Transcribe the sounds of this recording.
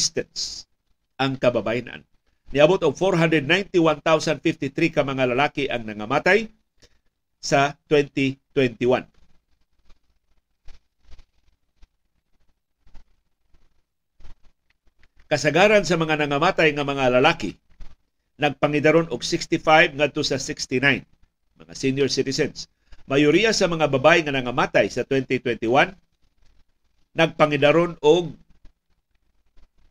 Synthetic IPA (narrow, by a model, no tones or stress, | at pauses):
st̪ɛns | ʔɐŋkɐbabaina̰nː | ɪɐbot̪ʊɡ̚foɾɦand̪ɾɛd̪najnt̪iwant̪awsanfɪft̪ɪt̪ɾikamɐŋalɐlaːkiʔɐŋnɐŋamaːt̪aj | sat̪wɛnt̪it̪wɛnt̪iwan | kɐsɐɡaɾansɐmɐŋanɐŋamaːt̪ajŋɐmɐŋalɐlakɪ̰ | nɐɡ̚pɐŋɪd̪aɾonʊɡsɪkst̪ɪfajvŋad̪̚t̪osɐsɪkst̪inajn | mɐ̰ŋa̰sinjoɹsɪt̪ɪsɛns | majʊɾijasɐmɐŋababajŋɐnɐŋamaːt̪ajsɐt̪wɛnt̪it̪wɛnt̪ɪwan | ɐɡ̚paŋɪd̪aɾonʊɡ̚